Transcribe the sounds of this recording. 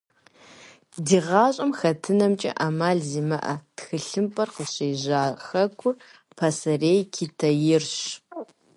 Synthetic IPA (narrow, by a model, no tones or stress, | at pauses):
diːʁɑːɕʼɐmxɐtʰɨnɐmt͡ʃʼɐ̰ʔaːmaːɮziːmɐʔɐ̰txɨɬɨmpʼɐrqəɕejʑaːxɐkʷʰʊ | pʰasɐreːjkʰitʰɐjɪrɕ